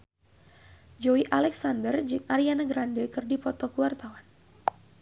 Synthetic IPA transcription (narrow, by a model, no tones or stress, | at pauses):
d͡ʒɔwiʔalɛksandərd͡ʒɨŋaɾianaɡɾandəkɨrdipɔt̪ɔkuwart̪awan